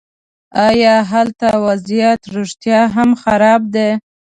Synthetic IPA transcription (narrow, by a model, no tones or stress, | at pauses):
ɑjɑɦalt̪awazijat̪ɾoʂt̪jɑɦamxaɾɑb̚d̪e